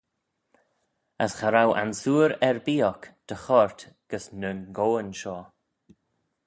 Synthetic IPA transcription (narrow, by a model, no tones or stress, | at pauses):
əsxaɾawʔa̰nsuːɾɛɹbiːɔkd̪̥əxɔɹt̪ɡ̥əsnənɡoːənʃɔː